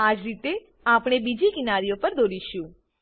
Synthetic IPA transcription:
ad͡ʒɾit̪e | apɽ̃ebid͡ʒikinaɾijopəɾd̪oɾiʃũ

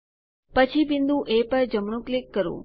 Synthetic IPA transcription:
pət͡ʃʰibɪnd̪ũʔepəɾd͡ʒəmɳ̃ũklɪkːəɾṵ̃

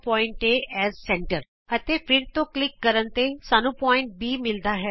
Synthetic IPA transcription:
pɔːɪ̃ɳʈeʔɛːzsɛ̃ɳʈəɾ | ət̪epʰɪɾt̪oklɪkːəɾənt̪esaːnũpɔːɪ̃ɳʈ̚biːmɪld̪aɦɛː

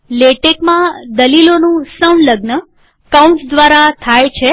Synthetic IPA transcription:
leʈekmãd̪əlilonũsəunɖləɡnə | kaũɳʈsd̪ʋaɾat̪ʰajt͡ʃʰe

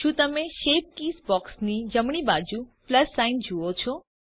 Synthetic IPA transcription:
ʃũːt̪əmẽʃep̚kiːsbɔksnid͡ʒəmɳ̃ibad͡ʒupləsːaind͡ʒuot͡ʃʰɔ

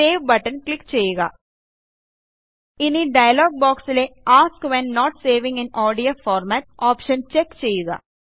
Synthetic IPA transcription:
eːʋbɐʈɐnklikːt͡ʃejːuɡa̰ː | iniɖɐjɐlɔːɡ̚bɔːksleːaːskʋɛnːɔːʈseːʋĩŋɡɛnʔɔːɖijoːfɔːɾmæːʈ̚ɔːpʃɐnt͡ʃekːt͡ʃeːjuɡa̰ː

